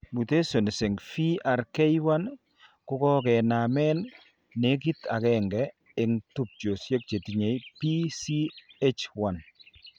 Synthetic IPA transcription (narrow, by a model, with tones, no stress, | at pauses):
mu˨te˦so˨n˨se˨ŋfi˦a˨ɾke˦jwa˦n | ku˦kɔ˦kɛ˨na˨mɛ˦n | ne˦k̬i˦ta˨kɛ˨ŋɡɛ˦ | ɪ˨ŋtu˨p̚t͡ʃo˨sje˦k̚t͡ʃe˨ti˨ɲe˨jpi˦si˦e˦t͡ʃwa˦n